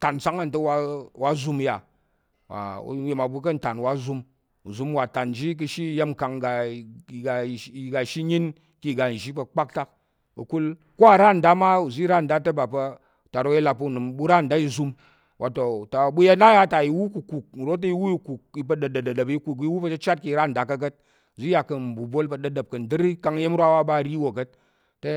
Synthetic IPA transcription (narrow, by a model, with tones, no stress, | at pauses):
ta˨n˨sa˦ŋa˦˨n̩˨tɐ˦wa˧wa˦zu˦m˧ja̰˨ | wa̰˨ṵ˨˦je˨ma˨bu˧k̬ɐ˦n̩˨ta˨nwa˦zu˧m | ṵ˨zu˧˦m˦wa˨ta˨n˨d͡ʒi˦k̬ɨ˧ʃi˦je˦m̩ka˨ŋɡa˨i˨ɡa˨˦i˨ɡa˨ʃi˦ɲi˦n | ki˦˨ɡa˨n̩˨ʒi˦pɐ˧k͡pa˦k̚ta˦k̚ | bṵ˨ku˦l | ko˦a˨ɾa˦n̩˨da˦ma˦u˨zi˦ɾa˦n̩˨da˦tɐ˦ba˨pɐ˧˨ | ta˨ɾo˦kji˦la˧pɐ˧˨nu˨mbu˦ɾa˦˨n̩˨da˦i˧zu˧m | wa˨to˨ta˨bu˦ja˦na˦ja˦ta˨i˨˧wu˦ku˨ku˨k̚n̩˨ɾo˦t̬i˧˦wu˦i˧ku˨k̚i˧p̬ɐ˧ɗɐ˨dɐ˨dɐ˨dɐ˨pi˦˧ku˨k̬i˦wu˦pɐ˧t͡ʃɐ˦t͡ʃa˦t̚ki˦˨ɾa˦n̩˨da˨kɐ˧kɐ˦t̚ | u˨zi˦ja˨kɐ˨m̩˨bu˨bo˦lpɐ˧ɗɐ˧dɐ˨p̚kɐ˨n̩˨dɨ˦ɾi˦ka˧ŋi˦je˦m˦ɾʷwa˦wa˦ba˦˨ɾi˦wo˨kɐ˦t̚ː | e˦